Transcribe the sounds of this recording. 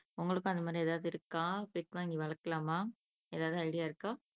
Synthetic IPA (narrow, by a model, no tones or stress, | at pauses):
ʊŋɡɐɭɯkːʊ̃ɐnd̪ɐmaːd̪ɾiɛːðaːʋðɯɪɾɯkːãːpɪʈʋaːŋɡiʋɐɭɐkːɐlaːmaː | eːðaːʋðɯɐɪɽɪjaːɪɾɯkːãː